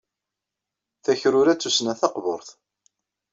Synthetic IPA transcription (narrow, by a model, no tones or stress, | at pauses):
θæçɾʊɾæt͡sːusnæθɑqvo̰ɾˤθ